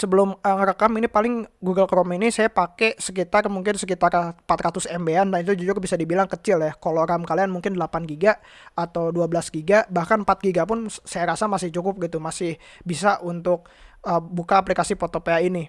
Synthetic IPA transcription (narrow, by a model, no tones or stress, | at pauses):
səbəlʊməŋɾəkaminipalɪŋɡuɡəlkəɾominisajapakɛsək̬it̪armuŋkɪnsəkit̪arpat̪ɾat̪ʊsɛmbeandanit̪ud͡ʒud͡ʒuɡabisadibilaŋkət͡ʃɪljahkoloɾamkalianmuŋkɪndəlapanɡiɡaː | t̪awduabəlasɡiɡabahkanpat̪̚ɡiɡapʊnsajaɾasamasɪht͡ʃukʊp̚ɡit̪umasɪh | bisaʔunt̪ʊk̚əbukaːplikasipot̪opeaini